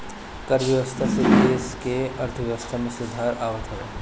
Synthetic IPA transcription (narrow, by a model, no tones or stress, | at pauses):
kəɾʋjɐʋəst̪ʰasekeːskeɐɾt̪ʰəʋjɐʋəst̪ʰamẽsʊd̪ʱaːɾaːʋət̪ʰɦɛe